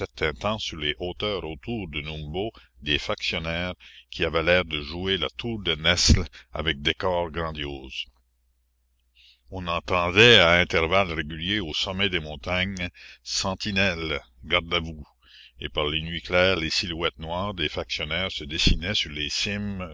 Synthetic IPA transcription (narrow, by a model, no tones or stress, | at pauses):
ɛʁt̪ʰɛ̃t̪ɑ̃syʁleʔoːt̪œːʁot̪ʰuːʁd̪ənũmbo | d̪efaksjɔnɛːʁkʲʰiavɛlɛːʁd̪əʒuela̰t̪ʰuːʁd̪ənɛsla̰vɛk̚d̪ekɔːʁɡɾɑ̃d̪joːz̥ | ɔ̃nɑ̃t̪ɑ̃d̪ɛaɛ̃t̪ɛʁvalʁeɡʲyljeosɔmɛd̪emɔ̃t̪aɲsɑ̃t̪inɛlɡaʁd̪avu | ḛpaʁlenɥiklɛːʁlesilwɛt̪̚nwaːʁd̪efaksjɔnɛːʁsəd̪esinɛsyʁlesɪm